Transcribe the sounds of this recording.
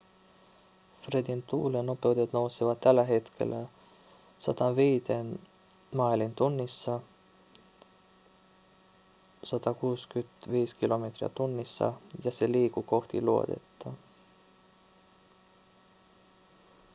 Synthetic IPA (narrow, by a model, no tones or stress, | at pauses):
fred̪int̪uːleno̞pˑe̞wd̪et̪no̞wsivɑd̪̚t̪ːælːæɦe̞t̪kʰḛl | sɑ̰d̪̥ɑnviːd̪en | mɑːilint̪unːisːɑ | sɑt̪ɑkuːskyt̪viːskilo̞met̪riɑ̰t̪unːisːɑ̰jɑse̞liːkuko̞ht̪ḭluo̰t̪e̞̰t̪ːɑ